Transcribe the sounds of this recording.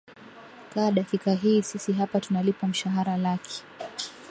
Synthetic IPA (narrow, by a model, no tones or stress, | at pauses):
kaːɗakikaɦiːsisiɦapatunalipam̩ʃaɦaɾalakʰɛ̥